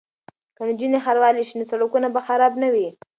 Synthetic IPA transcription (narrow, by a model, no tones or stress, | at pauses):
kand͡ʒinexaɾwɑliʃinosalukunabaxaɾɑbnawi